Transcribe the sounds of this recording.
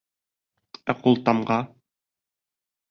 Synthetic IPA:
æqulˠt̪ɑmɢɑ

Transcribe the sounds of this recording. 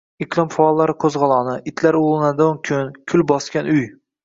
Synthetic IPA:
ɪqʰlˠɪmfaːlˠːaɾɪqʰɵzʁɑlˠɒnɪʔɪt̪ʰlaɾolˠɪnad̪ʊnkʲʰʊnkʲʰʊlbɒskʲanʊj

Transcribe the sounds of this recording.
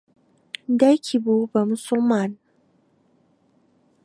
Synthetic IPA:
dakʰʲibobamʊsʊlman

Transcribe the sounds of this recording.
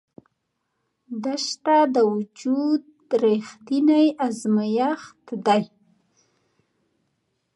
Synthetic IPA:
d̪əʃt̪ad̪əwʊd͡ʒud̪ | ɾext̪inajʔazmajaxt̪d̪aj

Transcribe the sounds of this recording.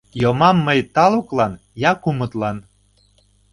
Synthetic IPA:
jomɑmːəjt̪ɑluklɑn | jɑkumət̪lɑn

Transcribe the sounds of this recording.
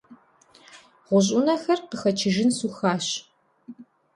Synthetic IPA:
ʁʷʊʑ̬ʼʊnɐxɐrqəxɐt͡ʃʰɪʒɪnsuxaːɕ

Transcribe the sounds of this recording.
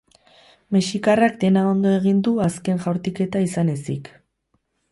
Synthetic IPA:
meʃikarakd̪e̞nao̞nd̪o̞e̞ɣ̞ind̪uaske̞nʝawɾt̪ike̞t̪aisane̞sik

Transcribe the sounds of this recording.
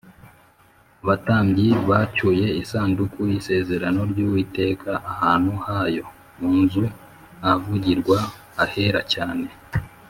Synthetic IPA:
βataːmbɟiβacuje̞isaːndukuise̞ːze̞ɾano̞ɾɟuːwiːte̞ːkʰaʔahaːn̥huhajo̞ | muːnzu | avuɟiɾɡwa | aheɾacaːne̞

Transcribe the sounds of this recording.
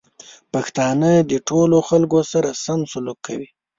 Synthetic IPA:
paxt̪ɑnəd̪əʈʰoloxalkosaɾasamsʊlukʰːa̰wi

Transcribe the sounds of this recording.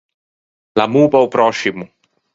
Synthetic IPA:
lamuːpaupɾɔʃimu

